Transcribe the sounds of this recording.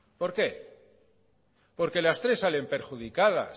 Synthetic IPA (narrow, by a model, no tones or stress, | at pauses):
po̞ɾke̞ | po̞ɾke̞last̪ɾe̞sːale̞mpe̞ɾxuð̞ikaða̰